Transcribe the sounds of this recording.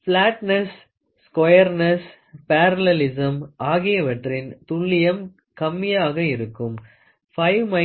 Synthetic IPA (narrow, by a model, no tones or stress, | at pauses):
fɭaːʈnɐsː | kwɔjɐɾnɐs | paːɾɐlɛlɪsɐmʔaːɣɪjɐʋɐʈrɪnt̪ʊɭːɪjɐm | kɐmːɪjaːɣɐɪɾɯkːɯm | fɐɪʋmɐ